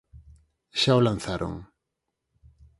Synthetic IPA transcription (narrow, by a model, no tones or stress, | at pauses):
ʃaolan̟θaɾʔo̰ŋ